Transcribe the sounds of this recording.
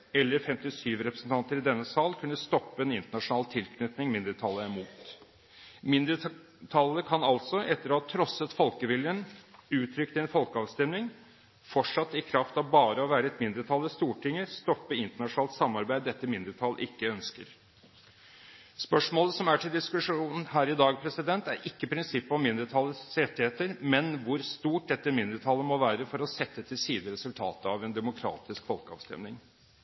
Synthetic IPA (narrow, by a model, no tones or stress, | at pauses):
ɛlːəɾfɛmt̪ɪsyːʋɾɛpɾəsn̩t̪ʰɑnt̪əɾɪd̪ɛnːəsɑːlkʰʉnːəst̪ɔpːəɛnɪnt̪əɳɑʂʊnɑːlt̪ʰɪlkʰnʏt̪nɪŋmɪnd̪əɾət̪ʰɑləmuːt̪ | mɪnd̪ɾə | t̪ʰɑlːəkʰɑnɑlt̪sɔʔɛt̪ːəɾɔhɑt̪ʰɾɔsːət̪fɔlkəʋɪljənʉːt̪ʰɾʏkt̪ɛnfɔlkəɑːʋst̪ɛmnɪŋ | fɔʈʂɑt̪ːɪkʰɾɑft̪ɑʋbɑːɾəɔʋæːɾəɛt̪mɪnd̪ɾət̪ʰɑlːəst̪uːʈʰɪŋːəst̪ɔpːəɪnt̪əɳɑʂʊnɑːlt̪sɑmːɑɾbæɪd̪ɛt̪ːəmɪnd̪əɾt̪ʰɑlːə̰ʔɪkːəœnskəɾ | spœʂmoːləsɔmæʈʰɪld̪ɪskʉʂuːnn̩ɦæːɾɪd̪ɑːɡpʰɾɛsɪd̪ɛnt̪æɾɪkːəpʰɾɪnsɪpːɔmɪnd̪əɾt̪ʰɑlːəsɾɛt̪ːɪheːt̪əɾmɛnʋʊɾst̪uːʈ̚d̪ɛt̪ːəmɪnd̪əɾt̪ʰɑlːəmɔʋæːɾəfɔɾɔsɛt̪ːət̪ʰɪlsiːd̪əɾɛsʉlt̪ʰɑ̰ːt̪əɑʋɛnd̪ɛmʊkʰɾɑ̰ːt̪ɪskfɔlkəɑ̰ːʋst̪ɛ̰mnɪŋ